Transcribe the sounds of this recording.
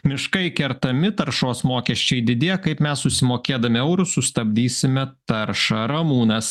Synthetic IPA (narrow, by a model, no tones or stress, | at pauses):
mʲɪʃkɐɪkʲɛɾt̪ɐmʲɪt̪ɐɾʃoːsmoːkʲɛʃʲt͡ʃʲɛɪd̪ʲɪd̪ʲeːkɐɪpmʲɛsːʊʃsʲɪmoːkʲeːd̪ɐmʲɪɛʊɾʊsʊst̪ɐbʲd̪ʲiːsʲɪmʲɛt̪ɐɾʃɐɾɐmuːnɐs